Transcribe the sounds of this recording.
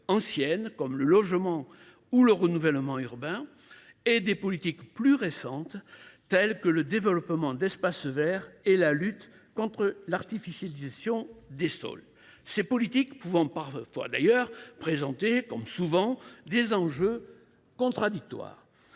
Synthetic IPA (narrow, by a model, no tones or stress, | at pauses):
ɑ̃sjɛnkɔmləlɔʒmɑ̃ | uləʁənuvɛlmɑ̃yʁbɛ̃ | ed̪epɔlit̪ikplyʁesɑ̃t̪t̪ɛlkələd̪evəlɔpmɑ̃d̪ɛspasvɛʁɛlalyt̪ | kɔ̃t̪χəlaʁt̪ifisjalizasjɔ̃d̪esɔ̰l | sepɔlit̪ikpuvɑ̃paʁfwa̰d̪a̰jœʁpχezɑ̃t̪ekɔmsuvɑ̃d̪ezɑ̃ʒø | kɔ̃t̪χad̪ik̚t̪wa̰ːʁ